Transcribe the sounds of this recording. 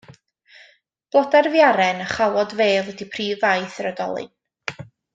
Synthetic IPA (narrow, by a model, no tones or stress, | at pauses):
b̥lˠɔdarvjaɾɛnəχawɔdveːðwɛdipʰriːvajθəɾədɔ̰lˠɨ̰n